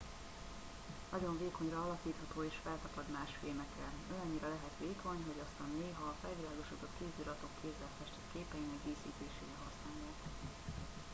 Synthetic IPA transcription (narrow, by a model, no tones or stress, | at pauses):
nɒɟo̞ɱveːko̞ɲrɒɒlɒkiːt̪hɒt̪oːeːʃfɛlt̪ɒpɒd̪maːʃfeːmɛkrɛønɒɲːiɾɒlɛɦɛt̪ʋeːkʰo̞ɲɦoɟɒst̪ɒnːeːɦɒːfɛlvilaːɡo̞ʃuːt̪o̞t̪keːzdyɾɒt̪o̞kːʰeːzɛlfɛʃt̪ɛt̪keːpɛjinɛɡɡeːsḭːt̪eːʃeːɾɛɦɒsnaːlot̪